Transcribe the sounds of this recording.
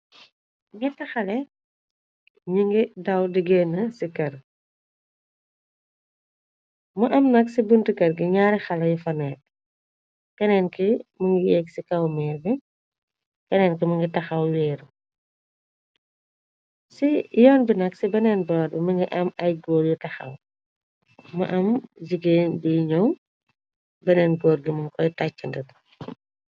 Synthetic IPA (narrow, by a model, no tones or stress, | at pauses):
ŋɡitɐxɐlɛ | ɲuŋɡidɐwdiɡeːnːɐsikɐr | muʔɐmnɐksibuntukɐɾɡiɲaːɾɛxɐlɐjufɐnɛːt̚ | kɐnɛnkimɐŋɡijɛksikɐwmɛːɾbi | kɐnɛnkimɐŋɡitɐxɐwlɛːɾu | sijɔːnbinɐksibɐnɛnbɔːɾbimɐŋɡiʔɐmɐjɡɔːɾɡitɐxɐ̰w | mɐ̰ʔɐmd͡ʒiɡeːnbiɲɔw | bɐnɛːnɡɔːɾɡimɐŋkɔjtacːəndɐt